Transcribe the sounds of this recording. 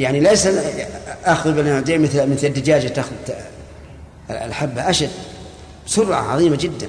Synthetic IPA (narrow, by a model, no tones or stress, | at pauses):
jaʕnilajsaʔaxðbɪlʕd̪iːmɪθlmɪθlad̪ːad͡ʒaːd͡ʒat̪axʊð | lħabːaʔaʃad̪ | bsʊɾʕa̰ʕɑ̰ðˤiːmad͡ʒɪd̪ːan